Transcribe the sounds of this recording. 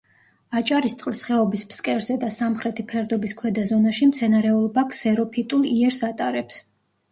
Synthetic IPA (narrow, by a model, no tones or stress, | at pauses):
at͡ʃʼaɾist̪sʼqʼlisχɛɔbispskʼɛɾzɛd̪asamχɾɛt̪ʰipʰɛɾd̪ɔbiskʰwɛd̪azɔnaʃimt̪sʰɛnaɾɛulˠbakʰsɛɾɔpʰit̪ʼulˠiɛɾsat̪ʼaɾɛps